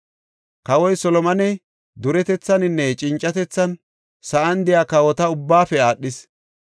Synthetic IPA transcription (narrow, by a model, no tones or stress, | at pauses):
kɐwɔjsɔlɔmɐnɛ | d̪ʊɾɛt̪ɛt͡sːɐnɪnːɛt͡ʃʼɪnt͡ʃʼːɐt̪ɛt͡sːɐn | sɐʔɐnd̪ɪjaːkɐwɔt̪ɐʊbːaːfɛaːɗːɪs